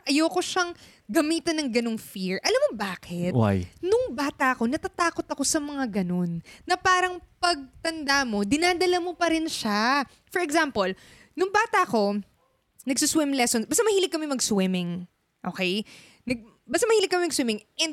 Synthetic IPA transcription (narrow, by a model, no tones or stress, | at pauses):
ʔɐjoːko̞ʃɐŋ | ɡɐmiːt̪ɐnːɐŋɡɐno̞ŋfiɹʔɐlamːobaːkɛt̪wa̰jnʊŋbaːt̪ɐʔɐko̞nɐt̪at̪aːko̞t̪ɐko̞sɐmɐŋaɡɐno̞nːɐpaːɾɐŋpɐɡ̚t̪ɐnd̪amo̞d̪ɪnaːd̪ɐlɐmopɐɾɪnʃa | fɔɹɛɡzampol | nʊŋbaːt̪ɐʔɐko̞ | nɐɡsʊswɪmlɛsonsbaːst̪amɐhiːlɪɡ̚kːɐmɛmɐɡswɪmɪŋ | ʔo̰ːkɛj | nɐɡ̚ | baːst̪amɐhiːlɪɡkːɐmɛmɐɡ̚swɪmɪŋʔɛnd̪̚